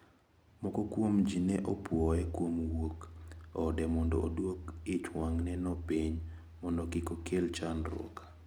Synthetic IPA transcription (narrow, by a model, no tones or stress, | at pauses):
mɔkɔkwomd͡ʒinɛʔɔpwɔɛkwomwokɔdɛmɔndɔ̰ʔːdwokɪt͡ʃwaŋnɛnɔpiɲ | mɔndɔkɪkokʰelt͡ʃanɾɔ̰kḁ